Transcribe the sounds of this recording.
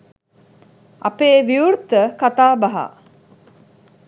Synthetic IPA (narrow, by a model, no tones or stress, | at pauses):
ʔɐpeːʋiuɾt̪əkat̪aːbɐɦa̰